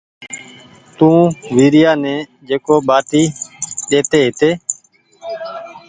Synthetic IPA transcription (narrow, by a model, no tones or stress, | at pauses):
t̪ũːʋiːɾɪjaːnɛ̃ː | d͡ʒeːkoːɓaːʈiːɗeːt̪eːɦɪt̪eː